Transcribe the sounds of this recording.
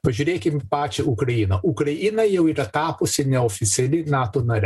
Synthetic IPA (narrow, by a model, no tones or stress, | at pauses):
pɐʒʲuɾʲeːkʲɪmʲpɑːt͡ʃʲɛukɾɐjinɐʔukɾɐjinɐjɛʊiɾɐt̪ɑːpʊsʲɪnʲɛɔfʲɪt̪sʲɪɐlʲɪnaːt̪onɐɾʲ